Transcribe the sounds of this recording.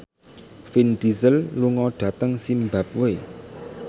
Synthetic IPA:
finɖizəlluŋɔɖ̥ä̤t̪əŋsimbap̚we

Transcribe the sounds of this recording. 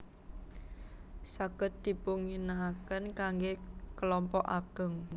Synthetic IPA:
saɡ̥ə̤t̪̚d̪̥i̤puŋinakənkaŋɡekəlɔmpɔʔaɡ̥ə̤ŋ

